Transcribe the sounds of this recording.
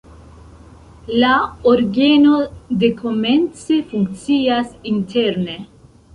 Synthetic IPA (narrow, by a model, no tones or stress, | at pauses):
laoɾɡenod̪ekʰoment͡sefuŋk̚t͡siasintʰeɾne